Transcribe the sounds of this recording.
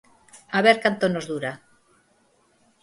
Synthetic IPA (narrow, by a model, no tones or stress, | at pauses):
aβeɾkant̪onozðuɾa